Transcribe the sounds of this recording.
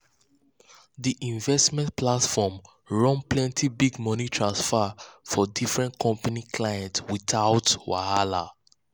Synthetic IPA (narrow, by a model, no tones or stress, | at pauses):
ðiʔĩɱvɛstmɛ̃nplatfɔm | ɹɔ̃nplɛ̃ntʰibiɡmɔnitʰɹãnsfafɔdifɹɛ̃ntkʰɔ̃mpanikʰlajɛ̃ntswiθaʊtwa̰hala̰